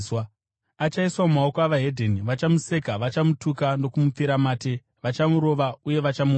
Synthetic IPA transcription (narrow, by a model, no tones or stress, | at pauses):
w | at͡ʃaiswamumao̞koaʋaɦe̞dʱeniʋat͡ʃamuse̞kaʋat͡ʃamutukano̞kumup͡fiɾamaːte̞ | ʋat͡ʃamuɾo̞ʋauje̞ʋat͡ʃamu